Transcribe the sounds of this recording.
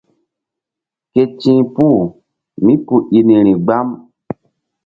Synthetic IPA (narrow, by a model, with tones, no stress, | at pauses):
ke˨t͡ʃĩ˦pu˦˨ | mĩ˦pu˨ʔi˨nĩ˨ɾĩ˨ɡ͡ba˦m